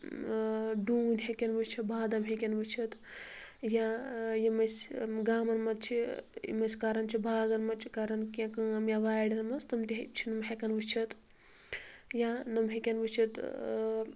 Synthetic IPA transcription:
ɖuːnʲɦekʲɐnʋut͡ʃʰit̪bʱaːd̪ɐmɦekʲɐnʋut͡ʃʰɐt̪ | jajimɐsɡaːmɐnmɐt̪̚t͡ʃʰḭmɐskaɾɐnt͡ʃʰibʱaːɡɐnmɐt͡ʃʰikaɾɐnkʲãkɨɐmjaʋaːjɽʲɐnmɐst̪ɐmt̪iɦt͡ʃʰinɐmɦekʲɐnʋut͡ʃʰɐt̪ | janɐmɦekʲɐnʋut͡ʃʰit̪

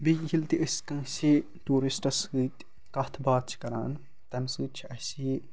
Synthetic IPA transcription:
bijilt̪iʔəsʲkɐ̃ŋsi | ʈuːɾisʈɐsɡɨt̪ | kɐt̪ʰbaːt̪t͡ʃʰi̥kɐɾaːn | t̪ɐmsɨt͡ʃʰiɐsʲi

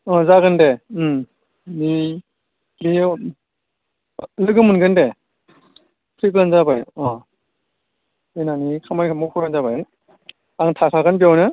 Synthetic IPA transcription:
ɔ̃zaɡɯndem | ni | bi | lɯɡɯmɯnɡɯnde | pʰɾik̬lanzabajɔ̃ | ɯnanikʰamankʰamɔpʰɯɾanzabaj | aŋtʰakʰaɡɯnbjawnɯ

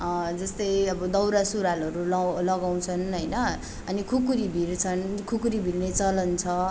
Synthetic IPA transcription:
d͡zʌst̪ʌjʌbʌd̪ʌwɾasuɾalʌɾulʌlʌɡaw̃t͡sʰʌnɦʌjnʌ | ʌnikʰukuɾibʱiɾt͡sʰʌnkʰukuɾibʱilnet͡sʌlʌnt͡sʰʌ

